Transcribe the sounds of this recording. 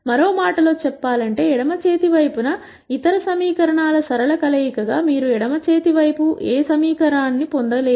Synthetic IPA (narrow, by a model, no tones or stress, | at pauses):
mɐɾo̞ːmaːʈɐlo̞ːt͡ʃɛpːaːlɐɳʈe̞ːiɽɐmɐt͡ʃe̞ːt̪iʋɐjpunɐ | it̪ɐɾɐsɐmiːkɐɾɐɳaːlɐsɐɾɐlɐkɐlɐjikɐɡaːmiːɾuɛɽɐmɐt͡ʃe̞ːt̪iʋɐjpuʔeːsɐmiːkɐɾaːnːipond̪ɐleː